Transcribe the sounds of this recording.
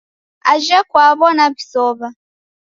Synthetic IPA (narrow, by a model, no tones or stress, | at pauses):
aʒakwaβɔnaβisɔβa